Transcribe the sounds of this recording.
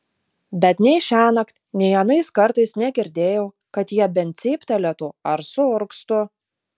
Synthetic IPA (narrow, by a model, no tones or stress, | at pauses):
bʲɛt̪nʲɛɪʃʲæːnɐkt̪ʲnʲɛɪɐnɐɪskɐɾt̪ɐɪsnʲɛɡʲɪɾʲd̪ʲeːjɛʊ | kɐt̪jiɛbʲɛnʲt̪ʲsʲiːpʲt̪ʲɐlʲɛt̪ʊɐɾsʊʊɾkst̪ʊ